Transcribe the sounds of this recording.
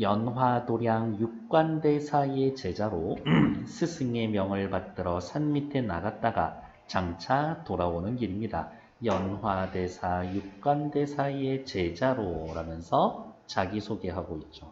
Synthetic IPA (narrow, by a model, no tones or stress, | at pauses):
jʌnɦwadoɾjaŋjuk̚k͈wande̞sʰae̞t͡ɕe̞d͡ʑaɾosʰɯsʰɯŋe̞mjʌŋɯɭpat̚t͈ɯɾʌsʰanmitʰe̞na̰ɡat̚t͈aɡa̰ | t͡ɕaŋt͡ɕʰatoɾaonɯnkiɾimɲida̰ | jʌnɦwade̞sʰajuk̚k͈wande̞sʰaie̞t͡ɕe̞d͡ʑaɾoɾamjʌnsʰʌt͡ɕaɡisʰoɡe̞ɦaɡoit̚t͡ɕ͈o